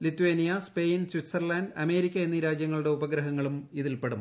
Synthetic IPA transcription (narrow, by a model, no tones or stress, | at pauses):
lit̪ːueːnijɐspejnswit̪sɐrlaːnɖɐme̞ːɾikʲːɐenːiɾaːd͡ʑjɐŋːɐɭuɽe̞ubɐɡɾɐɦɐŋːɐɭumiðilpe̞ɽum